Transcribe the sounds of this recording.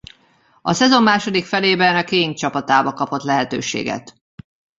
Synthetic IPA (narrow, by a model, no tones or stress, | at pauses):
ɒsɛzo̞mːaːʃo̞d̪ikfɛleːbɛnɒkeːɲt͡ʃɒpɒt̪aːbɒkɒpo̞t̪lɛɦɛt̪ø̰ːʃḛːɡɛ̰t̪